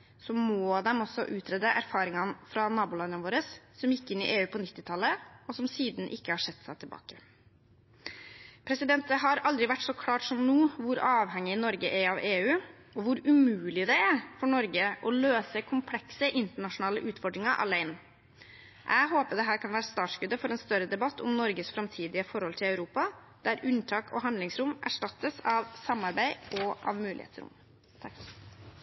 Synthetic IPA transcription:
sɔmɔːd̪ɛmɔsːɔ̰ʔʉːt̪ʰɾɛd̪əʔæɾfɑːɾɪŋɑnfɾɑnɑːbʊlɑnd̪ənʋoːɾəssɔmjɪkːɪnːɪ̰ʔeːʉːpʰɔnɪt̪ːɪt̪ʰɑlːəɔsɔmsiːd̪n̩ʔɪkːəhɑʂɛt̪ːsæɪt̪ʰɪlbɑ̰ːkə | pʰɾɛsɪd̪ɛnt̪əɦɑɾɑld̪ɾɪʋæʈːsɔkʰlɑːʈsɔmnuːʋʊɾɑːʋhɛŋːɪnɔɾɡəʔæɾɑʋeːʉː | ɔʋʊɾʉmʉːlɪd̪ɛæɾfɔɳɔɾɡəʔɔløːsəkʰʊmpʰlɛksəʔɪnt̪əɳɑʂʊnɑːlə̰ʔʉːt̪fɔɖɾɪŋɑʔɑ̰læɪn | ʔæɪɦoːpəɖ̪ɛɦæːɾkʰɑnʋæːɾəst̪ɑːʈskʉd̪ːəfɔɾɛːnst̪œɾəd̪ɛbɑt̪ːʊ̰mnɔɾɡəsfɾɑmt̪ʰiːd̪ɪəfɔɾhɔlt̪ʰɪlɑʉɾuːpɑ | d̪̥æɾʉnt̪ʰɑːkʰɔ̰ɦɑnd̪lɪŋsɾʊmæ̰ʂʈɑt̪ːəsɑʋsɑmːɑɾbæɪɔʔɑ̰ʋmʉːɪ̰hḛːt̪sɾʊ̰m | t̪ʰɑk

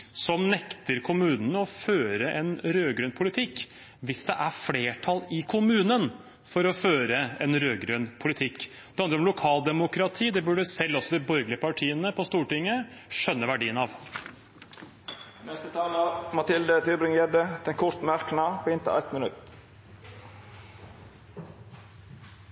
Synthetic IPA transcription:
sɔmnɛkt̪əɾkʰʊmʉːnənəɔføːɾəʔɛnɾøːɡɾʉnpʰʊlɪt̪ʰɪkː | ʋɪsd̪ɛ̰ʔæɾfleːʈʰɑlɪkʰʊmʉːnən | fɔɾɔføːɾəɛnɾøːɡɾʉnpʰʊlɪt̪ʰɪkː | d̪̥ɛhɑnd̪ɾəɾɔmlʊkʰɑːld̪ɛmʊkɾɑt̪ʰiːd̪ɛbʉɖəsɛlːɔsɔd̪ɪbɔɾɡəlɪəpɑʈʰiːənəpʰɔst̪uːʈɪŋːəʃœnːəʋæɖiːənɑʋ | nɛst̪ət̪ʰɑːlɑmɑt̪ʰɪld̪ət̪ybɾɪŋɛd̪ət̪ʰɪɛnkʰʊɾt̪mæɾknɑːpʰɔːɪnt̪ʰə̰ɛt̪mənʉt̪

